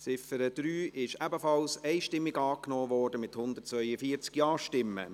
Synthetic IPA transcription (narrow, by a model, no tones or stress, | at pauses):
sɪfəɾəd̪̥ɾyːɪʃɛbəfɑlsɛɪʃtɪmːɪɡɑːknoːʋɔːrd̥əmɪt̪hʊnd̪ərt̚t͡sʋœʏəfiːəɾt͡skjɑːʃtɪmːə̰